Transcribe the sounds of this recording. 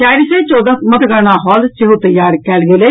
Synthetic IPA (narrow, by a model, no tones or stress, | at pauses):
aːɾiseːt͡ʃɔːd̪amət̪ɡəɾnaːɦɔːlt͡ʃeɦuːt̪əjaːɾkɛːlɡeːleː